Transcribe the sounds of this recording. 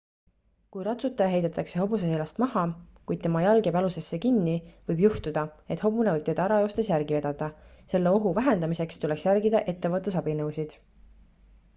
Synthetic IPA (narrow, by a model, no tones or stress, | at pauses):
kujɾɑt̪sut̪ːˑɑjɑɦe̞jd̪̥et̪ːˑɑkse̞ɦo̞bus̬eelɑst̪mɑhɑkujd̪̥̚t̪e̞mɑjɑlɡe̞pɑluse̞sːe̞kinːivɤjbjuht̪ud̪̥ɑe̞t̪ho̞b̥unevɤjb̚t̪e̞d̪̥ɑæɾɑo̞ːst̪esjærɡ̥ive̞d̪̥ɑd̪̥ɑse̞lːeo̞ɦuvæɦe̞nd̪ɑmise̞kst̪ule̞ksjærɡid̪ɑʔe̞t̪ːe̞vɤt̪ːusɑbinɤwsid̪̥